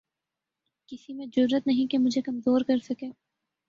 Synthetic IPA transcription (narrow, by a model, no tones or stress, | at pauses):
kɪsimẽd͡ʒʊɾːət̪nɐɦĩkemʊd͡ʒʱekɐmzoːɾkɐɾsɐkeː